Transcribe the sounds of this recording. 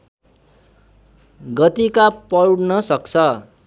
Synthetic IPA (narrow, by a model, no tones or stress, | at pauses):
ɡʌt̪ikapʌɽnʌsʌkt͡sʰʌ